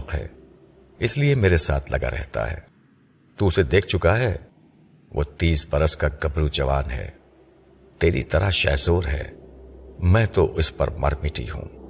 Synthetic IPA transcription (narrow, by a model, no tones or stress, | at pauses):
qɦɛ̰ː | ɪsliemeːɾesaːt̪ʰlʔɐ̰ɡa̰ɾɛ̰ɦt̪a̰ɦɛ̰ː | t̪uʊsed̪eːk̚ʰt͡ʃʊkaɦɛ | ʋʔo̰ːt̪iːsbɐɾəskaɡɐbɾud͡ʒɐʋaːnɦɛ̰ː | t̪eːɾḭt̪ɐɾaʃɛ̰ːzoːɾɦɛ̰ː | mɛ̃ːt̪oʔʊspɐ̰ɾmɐ̰ɾmɪʈḭɦṵ̃ː